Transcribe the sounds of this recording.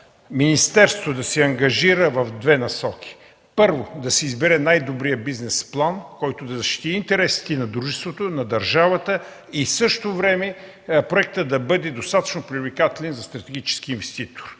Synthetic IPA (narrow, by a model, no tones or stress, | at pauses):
minist̪ɛɾst̪od̪ɐsɛɐŋɡɐʒiɾəvɐvd̪vɛnɐsɔk̟ʰʲi̥ | pɤɾvod̪ɐsɛizbɛɾɛnajd̪obɾijəbiznɛsplˠankɔjt̪od̪ɐzɐʃt̪i̥t̪iːnt̪ɛɾɛsi̥t̪ɛnɐd̪ɾuʒɛst̪vot̪onɐd̪ɐɾʒavət̪ə | isɤʃt̪ovɾɛmɛ | pɾoɛk̚t̪əd̪ɐbɤd̪ɛd̪ost̪at̪ə̥t͡ʃnopɾivlikat̪ɛlɛnzɐst̪ɾɐt̪ɛɡʲit͡ʃɛ̥sk̟iːnvɛst̪it̪o̥ɾ